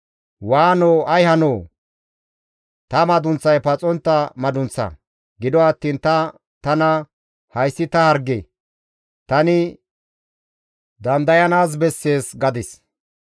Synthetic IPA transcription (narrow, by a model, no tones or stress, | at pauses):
waːnoːɐjhɐnoː | t̪ɐmɐd̪ʊnt͡sːɐjpɐt͡sʼɔnt̪ːɐmɐd̪ʊnt͡sːɐ̰ | ɡɪd̪ɔɐt̪ːiːnt̪ɐ | t̪ɐnɐ | hɐjsːɪt̪ɐhɐɾɡe | t̪ɐnɪ | d̪ɐnd̪ɐjɐnaːs̬bɛsːe̞ːsɡɐd̪ɪs